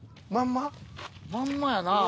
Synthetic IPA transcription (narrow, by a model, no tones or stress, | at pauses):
mamːamamːajana